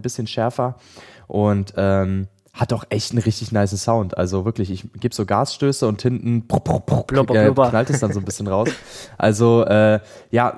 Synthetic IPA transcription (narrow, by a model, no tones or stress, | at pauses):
bɪsçənʃɛɐfɐ | ʔʊntʔɛːm | hatdɔχʔɛçtn̩ʁɪçtɪçnaɪsn̩saʊntʔa̰lzovɪɐklɪçɪçɡ̥eːbəz̥oːɡaːsʃtøːsəʊnthɪntn̩pppɛːknaltɛsd̥anzoːnbɪsçənʁaʊsʔa̰lzoʔɛːjaː